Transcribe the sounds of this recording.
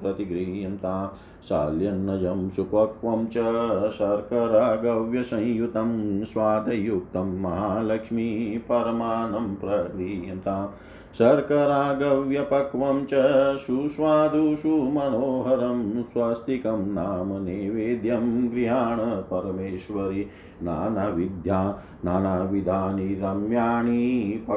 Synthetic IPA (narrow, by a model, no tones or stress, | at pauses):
ɾɐt̪iɡɾiɦijɐmt̪aː | ʃa̰ːljɐnːɐd͡ʒɐmʃupɐkʋɐmt͡ʃɐʃɐɾkɐɾaːɡɐʋjɐsɐ̃j̃jut̪ɐmsʋaːd̪ʱɐjuk̚t̪ɐmːɐɦaːlɐkʂmipɐɾɐmaːnɐmpɾɐɡɾiɦjɐmt̪aː | ʃɐɾkɐɾaːɡɐʋjɐpɐkʋɐmt͡ʃɐʃuʃʋaːd̪ʱuʃumɐnoːɦɐɾɐmsʋast̪ikɐmnaːmɐneːʋeːd̪jɐmɡɾiɦaːɳɐpɐɾɐmeːʃʋɐɾi | na̰ːnaʋid̪ʱjaː | naːnaʋid̪ʱaːniɾɐmjaːɳipɐ